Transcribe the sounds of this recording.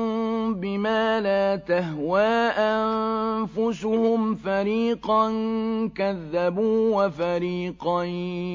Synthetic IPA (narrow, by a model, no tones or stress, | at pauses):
bɪmaːlaːt̪ahwaːʔanfʊsʊhʊmfaɾiːqɑnkaðːabuːwafaɾiːqɑ